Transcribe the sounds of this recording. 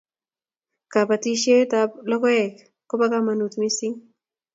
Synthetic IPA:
ka˨pat̪i˦ʃe˦t̪aplɔ˦ko˦ɛ˨k | ko˦pa˦ka˦ma˨nu˨t̪mi˦si˦ŋ

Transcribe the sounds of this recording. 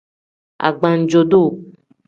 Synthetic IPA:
a̰˨ɡ͡bã˨n̩˨d͡ʒo˨do˦˨

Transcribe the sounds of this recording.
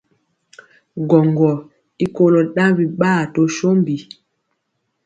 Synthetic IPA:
ɡɔ˨ŋɡɔ˨ | i˦ko˦lɔ˨ɗã˦wi˨ɓaː˦˨to˦ʃo˦mbi˨

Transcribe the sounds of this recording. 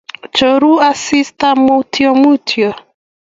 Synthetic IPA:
t͡ʃo˨ɾu˦a˦si˦sta˦mu˦tʰjɔ˦mu˦tʰjɔ˨

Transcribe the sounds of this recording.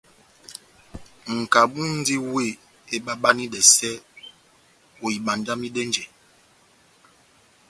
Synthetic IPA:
ŋ̩˨ka˨ɓu˦n̩˦di˦we˦˨ | e˦ɓa˦ɓa˦ni˦dɛ˨sɛ˦ | o˨i˨ɓa˨nda˦mi˦dɛ˦nd͡ʒɛ˨

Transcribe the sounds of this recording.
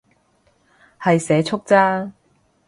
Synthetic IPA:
hɐ˨jsɛː˨˥t͡ʃʰʊ˥k̚t͡saː˥

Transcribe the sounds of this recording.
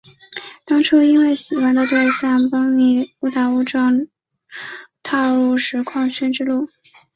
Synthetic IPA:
t̪ɑ˥ŋʈ͡ʂʰu˥i˥nwe˥˩ɪɕi˨˩wa˧˥nd̪ə˧t̪we˥˧ɪɕjɑ˥˩ŋpɑ˥ŋmi˧˥u˥t̪a˨˩u˥ʈ͡ʂɑ˥˩ŋ | t̪ʰɑ˥˧ʊɻu˥˩ʂɻ̩˧˥kʰwɑ˥˧ŋɕʰy˥nʈ͡ʂɻ̩˥lu˥˩

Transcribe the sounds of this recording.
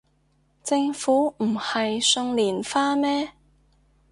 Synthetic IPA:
t͡sɪ˧ŋfuː˨˥m̩˨˩hɐ˨jsɵ˧ŋliː˨˩nfaː˥mɛː˥

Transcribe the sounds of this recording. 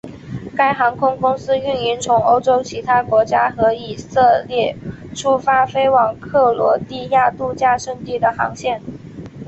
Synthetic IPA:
ka˥˩ɪxɑ˧˥ŋkʰʊ˥ŋkʊ˥ŋsɹ̩˥y˥˩ni˧˥nt͡sʰʊ˧˥ŋo˥ʊʈ͡ʂo˥ʊt͡ɕʰi˧˥t̪ʰa˥kwɔ˧˥t͡ɕja˥xɤ˧˥i˨˩sɤ˥˧ljɛ˥˩ | ʈ͡ʂʰu˥fa˥fe˥ɪwɑ˨˩ŋkʰɤ˥˩lwɔ̰˧˥t̪i˥˧ja˥˧t̪u˥˧t͡ɕja˥˧ʂɤ˥˧ŋt̪i˥˩d̪ə˩xɑ˧˥ŋɕjɛ˥˩n

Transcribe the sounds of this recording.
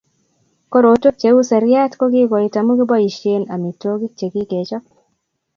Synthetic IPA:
ko˦ɾo˨˦to˦k̚t͡ʃe˨˦u˦sɛ˨ɾja˦tko˦ɡi˦ɡɔ˨i˨ta˨mu˦ɡi˦bɔ˦i˨ʃe˦na˨mi˨to˦ɡi˦k̚t͡ʃe˨ɡi˦ke˨t͡ʃɔ˦k̚

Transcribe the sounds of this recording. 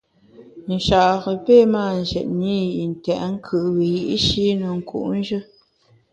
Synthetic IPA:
n̩˨ʃa˨ʔɣə˨pe˦˨˦maː˦˨n̩˨zɛ̰˨t̚ni˦˨i˨n̩˨tɛ̰˨ʔŋ̩˦kʰɨ˨ʔwi˨ji˨ʔʃi˦nə˨ŋ̩˨kʰṵ˨ʔn̩˦ʒɨ˦

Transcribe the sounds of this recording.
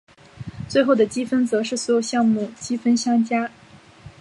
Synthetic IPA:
t͡swe˥˧ɪxo˥˩ʊd̪ə˩t͡ɕi˥fə˥nt͡sɤ˧˥ʂɻ̩˥˩swɔ˧˥jo˨˩ʊɕjɑ˥˧ŋmu˥˩t͡ɕi˥fə˥nɕjɑ˥ŋt͡ɕja˥

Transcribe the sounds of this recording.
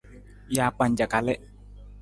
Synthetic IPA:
jaː˨k͡pa˨ɲd͡ʒa˨ka˨lɛ˦

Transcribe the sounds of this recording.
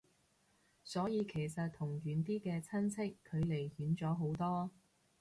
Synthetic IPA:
sɔː˨˥jiː˨˧kʰe˨˩jsɐ˨t̚t̪ʰʊ˨˩ŋjyː˨˧nt̪̬iː˥kɛː˧t͡sʰɐ˥nt͡sʰɪ˥kʰːɵ˨˧ɥle˨˩jhyː˨˥nt͡sɔː˨˥ɦo˨˥wt̪ɔː˥

